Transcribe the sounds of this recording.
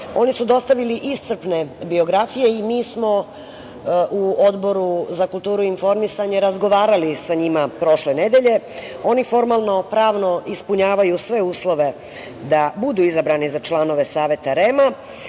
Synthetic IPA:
o̞nisud̪o̞st̪aʋiliʔist̪srpne̞bio̞ɡɾafije̞imiːsmo̞ | uo̞d̪bo̞ɾuzakulˠt̪uːɾuinfo̞ɾmisaɲe̞ɾazɡo̞ʋaːɾalisaɲimapɾo̞ʃlene̞d̪e̞ʎe̞ | o̞nifo̞ɾmalˠno̞pɾaːʋno̞ʔispuɲaːʋajusʋe̞uːslˠo̞ʋe̞ | d̪abud̪uːizabɾanizat͡ʃlˠano̞ʋe̞saːʋe̞t̪aɾe̞ma

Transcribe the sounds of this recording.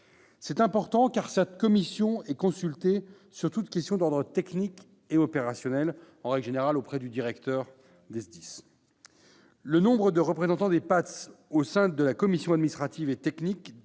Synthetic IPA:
sɛt̪ɛ̃pɔʁt̪ɑ̃kaʁsɛt̪kɔmisjɔ̃ɛkɔ̃sylt̪e | syʁt̪ut̪kʲɛst̪jɔ̃d̪ɔʁd̪ʁət̪ɛknik | eɔpeʁasjɔnɛl | ɑ̃ʁɛɡlʒeneʁalopχɛd̪yd̪iʁɛkt̪œʁ | d̪ɛsd̪is | lənɔ̃bʁəd̪əʁəpχezɑ̃t̪ɑ̃d̪epat̪osɛ̃d̪əlakɔmisjɔ̃ad̪minist̪χat̪ivet̪ɛknik

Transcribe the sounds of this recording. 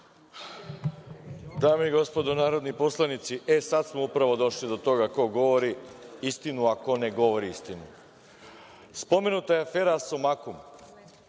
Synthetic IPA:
d̪aːmeiɡo̞spo̞d̪o̞naːɾod̪nipo̞slˠanit̪siʔe̞sad̪smoupɾaʋo̞d̪o̞ʃlid̪o̞t̪o̞ɡako̞ɡo̞ʋo̞ɾiist̪inuako̞ne̞ɡo̞ʋo̞ɾiist̪inu | spo̞me̞nut̪ajeafe̞ːɾasomakum

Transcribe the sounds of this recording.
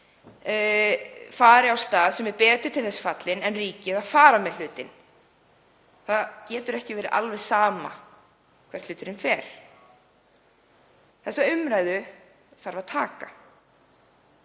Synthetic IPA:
faːɾɪawst̪aːðsɛmɛɾpɛːt̪ʏ̥t̪ʰɪlθɛsːfat̪lɪnɛnriːcɪðaðfaːɾamɛl̥ʏːt̪ɪn | θaðcɛːt̪ʏɾɛhcɪvɛːɾɪʔa̰lvɛðsaːma̰ | kʰvɛɾ̥t̪ʏːt̪ɪɾɪnfɛːɾ̥ | θɛsːaʏmɾaːjðʏ | θaɾvaðt̪ʰaːka

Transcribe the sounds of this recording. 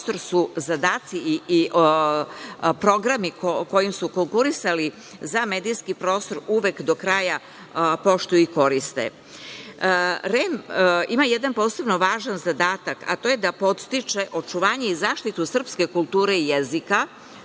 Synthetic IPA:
st̪o̞ɾsuzad̪aːt̪si | pɾo̞ɡɾamiko̞jimsukoŋkuɾisali | zameːd̪ijskipɾo̞ːst̪o̞ɾuʋekd̪o̞kɾaːja | po̞ʃt̪ujuiko̞ɾist̪ḛ | ɾemimajed̪anpo̞ːse̞bno̞ʋaːʒanzad̪aːt̪aka̰t̪o̞ːje̞d̪apo̞t̪st̪it͡ʃeʔo̞t͡ʂuʋaːɲe̞izaːʃt̪it̪usr̩pske̞kulˠt̪uːɾe̞ijezika

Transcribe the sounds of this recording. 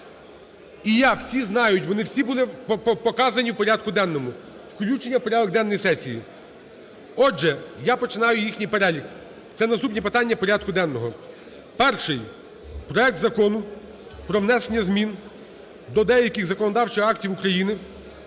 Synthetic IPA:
ijaw̥sʲiznɑjʊtʲʋɔnɪwsʲibulˠɪppɔkɑzɐnʲiwpɔɾʲad̪̚kʊd̪ɛnːɔmʊ | wklʲut͡ʃenʲːɐwpɔɾʲad̪ɔɡd̪ɛnːɔjisɛsʲiji | ɔʒɛjapɔt͡ʃɪnɑjʊjixnʲijpeɾɛlʲik | t̪sɛnɐst̪upnʲipɪt̪ɑnʲːɐpɔɾʲad̪̚kʊd̪ɛnːɔɦɔ | pɛrʃɪj | pɾɔɛk̚t̪zɐkɔnʊ | pɾɔwnɛsenʲːɐzmʲin | d̪ɔd̪ɛjɐkʲɪɣzɐkɔnɔd̪ɑwt͡ʃɪxɑktʲiwʊkɾɐjinɪ

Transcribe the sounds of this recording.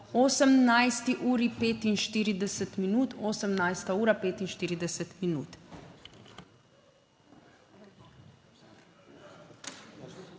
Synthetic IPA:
oːsəmnajst̪iʔuːɾipeːt̪inʃt̪iːɾid̪ɛsət̪minuːt̪oːsəmnajst̪auːɾapeːt̪inʃt̪iːɾid̪ɛsət̪minṵːt̪

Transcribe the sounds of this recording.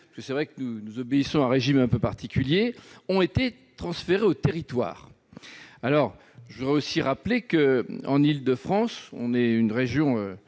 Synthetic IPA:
pḁskəsɛvʁɛkənunuzɔbeisɔ̃ɛ̃ʁeʒimɛ̃pøpaʁt̪ʰikʲyljeɔ̃et̪e | t̪χɑ̃sfeʁeot̪eʁit̪wa̰ːʁ | alɔʁ | ʒəvud̪ʁɛosiʁaplekəɑ̰̃nild̪əfχɑ̃sɔ̰̃nɛynʁeʒjɔ̃ø

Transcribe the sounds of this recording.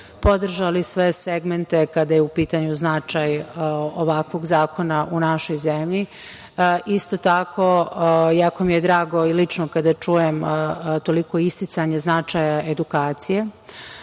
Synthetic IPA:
po̞d̪r̩ʒalisʋe̞seɡment̪e̞kad̪ajeupiːt̪aɲuznat͡ʃajoʋakʋo̞ɡzaːko̞naʔunaʃo̞jzemʎi | ʔist̪o̞t̪akʰo̞jakomijed̪ɾaːɡo̞ilit͡ʂnokad̪at͡ʂujemt̪o̞liko̞ist̪it̪saɲeznat͡ʃajaʔe̞d̪ukaːt̪sije̞

